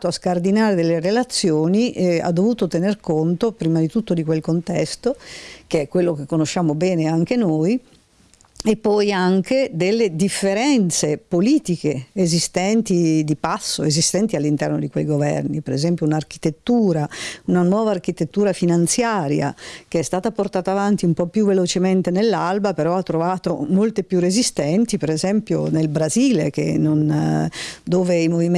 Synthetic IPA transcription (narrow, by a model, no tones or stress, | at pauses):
t̪oaskard̪inaːɾed̪elːerelat̪sːjoːniʔa̰d̪ːovuːt̪ot̪enerkont̪opɾiːmad̪it̪ut̪ːod̪ikwelkont̪ɛst̪ok̟eɛkːwelːok̟ekːonoʃːaːmobɛːneaŋk̟enoj | epːɔjaŋked̪elːed̪ifːeɾɛnt̪sepoliːt̪ikeːzist̪ɛnt̪id̪ipasːoezist̪ɛnt̪ialːint̪ɛrnod̪ikwejɡovɛ̰rnipeɾezɛmpjounark̟i̥t̪et̪ːuːɾaunanwɔːvaːrkit̪et̪ːuːɾafinant̪sjaːɾja̰keɛst̪aːt̪aport̪aːt̪avant̪iumpɔpːjuvelot͡ʃement̪enelːalbapeɾɔat̪ːɾovaːt̪omolt̪epːjurezist̪ɛnt̪ipeɾezɛmpjo̰nelbɾaziːlek̟ḛnːon | d̪oːveimovim